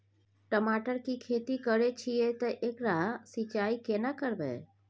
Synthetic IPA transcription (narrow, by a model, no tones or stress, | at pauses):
ʈəmaʈəɾkikʰeːt̪ikəɾet͡ʃʰiet̪ɔʔekɾasit͡ʃaːikenakəɾbḛ